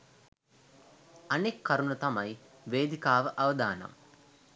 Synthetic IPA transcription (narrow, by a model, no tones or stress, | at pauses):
anekʰːaɾunut̪ɐmɐj | ʋeːd̪ikaːʋəʔɐʋəd̪aːna̰m